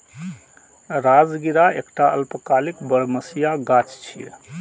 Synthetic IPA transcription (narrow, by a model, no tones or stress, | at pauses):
ɾad͡ʒɡiɾaekʈaəlpəkalikbəɽməsijaɡat͡ʃt͡ʃʰḭ